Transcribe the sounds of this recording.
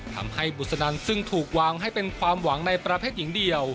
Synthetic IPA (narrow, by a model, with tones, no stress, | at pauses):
t̪ʰa̰˧mha˥˩jbu˨˩t̪̚sa˧naː˧nsɯ˥˩ŋt̪ʰuː˨˩k̚waː˧ŋɦa˥˩jpe˧nkʰwaː˧mwa˩˦ŋna˧jpɾa˧pʰeː˥˩t̪̚ji˩˦ŋdi˧əw